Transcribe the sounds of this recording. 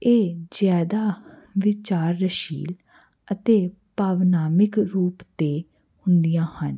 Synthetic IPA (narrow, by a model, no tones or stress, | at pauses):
eːd͡ʒjaːd̪aː | ʋɪt͡ʃaːɾːəʃḭːl | ət̪eːpaːʋnaːmɪkɾuːpt̪eː | hʊ̃nd̪ijãːhən